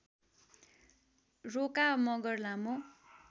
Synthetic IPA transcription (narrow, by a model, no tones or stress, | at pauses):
rokamʌɡʌrlamo